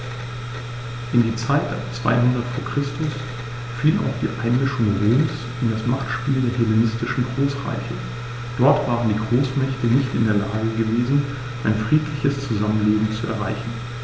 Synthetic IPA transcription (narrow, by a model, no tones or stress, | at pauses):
ʔɪndiːt͡saɪta̰t͡sv̥a̰ɪɦʊndɐtfoːɐkʁ̥ɪstʰʊs | fiːlʔa̰ʊxd̥ḭːʔaɪnmɪʃʊŋʁoːms | ʔɪntd̥asmaχtʃpiːldeːɐɦɛlenɪstɪʃn̩ɡʁoːsʁa̰ɪçə | d̥ɔɐtv̥aːʁəndiːɡʁoːsmɛçtənɪçtɪndeːɐlaːɡəɡəveːzn̩ | ʔaɪnfʁ̥iːtʰlɪçəst͡suzamənleːbm̩t͡suɛ̰ɐʁaɪçn̩